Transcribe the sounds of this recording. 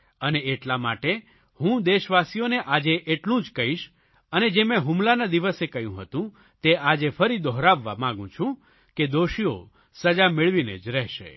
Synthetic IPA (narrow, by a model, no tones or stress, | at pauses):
əneːʈlamaʈe | hũd̪eʃʋasijoneʔad͡ʒeʔeʈlũd͡ʒkəɦiʃ | əned͡ʒemɛ̃ɦumlanad̪iʋəsekəɦjṵ̃ɦət̪ũ | t̪ead͡ʒefəɾid̪ɔɦɾaʋːa̰mãɡũt͡ʃʰũ | ked̪oʃio̰ | səd͡ʒameɭʋinḛd͡ʒɾɛɦʃḛ